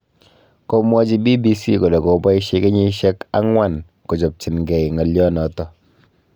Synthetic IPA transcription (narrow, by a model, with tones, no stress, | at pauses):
ko˦mwɔ˦t͡ʃi˦bi˦bi˦si˦ko˨le˨ko˨bɔ˦jʃe˦ke˦ɲi˦ʃɛ˦ka̰˦ŋwa˦˨n | ko˨t͡ʃo˨p̚t͡ʃi˨nɡɛ˨i˨ŋɔ˨ljɔ˦nɔ˨tɔ˦